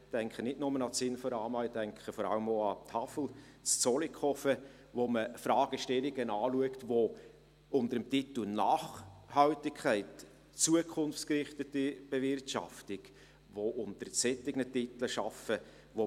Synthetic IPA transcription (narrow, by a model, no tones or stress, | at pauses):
d̥ɛŋkχənɪtnʊmənɑsɪnfɔɾɑːmɑɪdɛŋkχəfɔɾɑ̰ləmoɑt̪ʰɑfl̩ | t͡st͡sɔlikʰɔfə | ʋoməfɾɑːɡ̥əʃtɛliɡənɑːluəktʋo | ʊntəɾəmtitl̩nɑːχhɑltɪkʰχæɪt | t͡suəkʰχʊnft͡skrɪχtətib̥ɛvɪrtʃɑ̰ftɪɡ | ʋoʔʊntəɾsɛtːɪɡnətɪt̪l̩ʃɑfə | ʋo